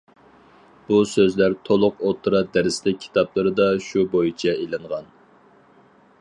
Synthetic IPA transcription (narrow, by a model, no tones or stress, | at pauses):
b̥usøzlæɾt̪ʰolˠʊqot̪ʰɨɾɑd̪æɾɪslɪk̚ʲkʲʰːi̥t̪ʰɑplˠɨɾɨd̪ɑʃubojit͡ʃʰɛelɨɴʁɑn